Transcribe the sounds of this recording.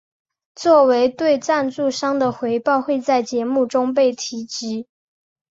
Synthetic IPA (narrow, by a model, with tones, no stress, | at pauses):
t͡swɔ˥˩we˧˥ɪt̪we˥˧ɪʈ͡ʂa˥˧nt͡su˥˩ʂɑ˥ŋd̪ə˨xwe˧˥ɪpɑ˥˧ʊxwe˥˧ɪt͡sa˥˩ɪt͡ɕjɛ˧˥mu˥˩ʈ͡ʂʊ˥ŋp̬e˥˩ɪt̪ʰi˧˥t͡ɕi˧˥